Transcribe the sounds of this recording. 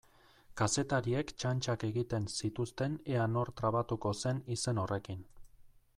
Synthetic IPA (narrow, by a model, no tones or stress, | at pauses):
kase̞t̪aɾie̞kt͡ʃant͡ʃake̞ɣit̪e̞nsit̪ust̪e̞ne̞ano̞ɾt̪ɾaβat̪uko̞se̞nise̞no̞re̞kin